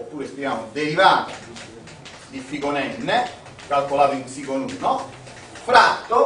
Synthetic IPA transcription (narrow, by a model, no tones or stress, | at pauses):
opːuːɾest̪iaːmʊd̪eɾivaːt̪ʊ | d̪ifikonɛnːe | kalkolaːt̪iunsikonuːnɔ | fɾat̪ːʊ